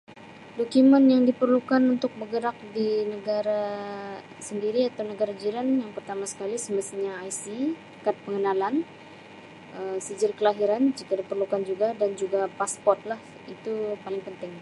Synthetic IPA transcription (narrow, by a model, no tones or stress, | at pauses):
dokumənjaŋdipərlukanunt̪ʊk̚bəɡəɾak̚dinəɡaɾa | səndiɾiat̪awnəɡaɾad͡ʒiɾanjaŋpərt̪amasə̥kalisəməst̪iɲaːjsi | kat̪̚pəŋənalan | ʔəsəd͡ʒɪrkəlaɦiɾand͡ʒikadipərlukand͡ʒuɡadand͡ʒuɡapaspɔrt̪̚lah | it̪upalɪŋpənt̪ɪŋ